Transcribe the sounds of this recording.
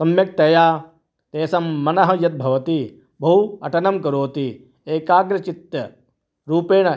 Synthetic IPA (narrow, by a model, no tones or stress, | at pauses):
sɐmjɐk̚t̪ɐjaː | t̪eːsɐmːɐnɐɦɐjɐt̪̚bʱɐʋɐt̪i | bʱɐɦuɐ̰ʈɐnɐmkɐɾoːt̪i | eːkaːɡɾɐt͡ʃit̪jɐ | ɾuːpeːɳ̃ɐ